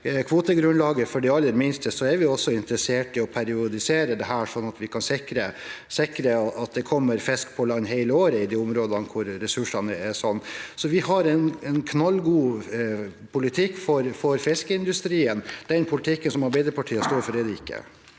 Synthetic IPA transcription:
kʰʋuːt̪əɡɾʉnlɑːɡəfɔɖɛɑlːəɾmɪnst̪əsɔɛɾʋɪɔsːɔɪnt̪ɾəseːʈɪɔpʰæɾɪʊd̪ɪseːɾəd̪ɛɦæːʂɔnːɑt̪ʋɪkʰɑnsɪkɾəsɪkɾəɑt̪̚d̪ɛkʰɔmːəɾfɛskpʰɔlɑnːɦeɪləoːɾəɪd̪iːʊmɾoːd̪ɑnkʰʊɾːɛsʉʂɑnəɛsɔnːsɔʋɪɦɑɾɛnɛnkʰnɑlːɡuː | pʰʊlɪt̪ʰɪkːfɔɾfɔɾfɪskəɪnd̪ʉst̪ɾiːənd̪̥ɛnpʰʊlɪt̪ʰɪkːənsɔmhɑɾbɛɪd̪ɾəpʰɑʈʰiːəst̪oːɾfɔɖɛd̪ɛɪkːə̰

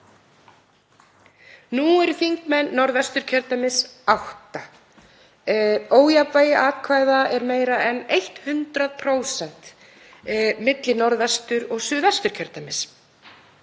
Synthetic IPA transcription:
nuːɛɾʏθiŋkmɛnːɔɾðvɛst̪ʏɾ̥cʰœɾt̪amɪsawht̪a | oːwjapvajɪʔaːðkʰvaːjðaɛɾmeːjɾaɛnejht̪hʏnt̪ɾaðpʰɾoːwsɛn̥t̪ | mɪt̪lɪnɔɾðvɛst̪ʏɾɔɣsʏːðast̪ʏɾ̥cʰœɾt̪amɪs

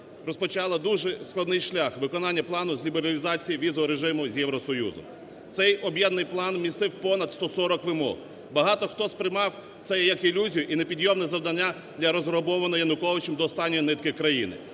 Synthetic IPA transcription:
ɾɔspɔt͡ʃɑlˠɐd̪uʒɛsklˠɐd̪nɪjʃlʲaxʋɪkɔnɑnʲːɐplˠɑnʊzʲlʲibeɾɐlʲizɑt͡sʲijiʋʲizɔɦɔɾeʒɪmʊzʲjɛʋɾɔsɔjṵzɔ̰m | t̪sɛjɔbjɛd̪nɪjplˠɑnmnʲist̪ɪwpɔnɐd̪st̪ɔsɔɾɔkʋɪmɔ̰ɦ | bɐɦɑt̪ɔxt̪ɔspɾɪjmɑw | t̪sɛjjɐkɪlʲuzʲijʊʔinepʲid̪ʲjɔmnɛzɐwd̪ɐnʲːa | d̪lʲɐɾɔzɾɔbɔʋɐnɔjɐnʊkɔʋɪt͡ʃɛmd̪ɔːst̪ɑnʲːɔjinɪt̪kɪkɾɐjḭnɪ̰

